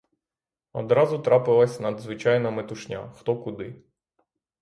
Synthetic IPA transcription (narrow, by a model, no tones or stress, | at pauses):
ɔd̪ɾɑzʊt̪ɾɑpɪlˠɐsʲnɐd̪zʋɪt͡ʃɑjnɐmet̪ʊʃnʲa̰xt̪ɔkʊd̪ɪ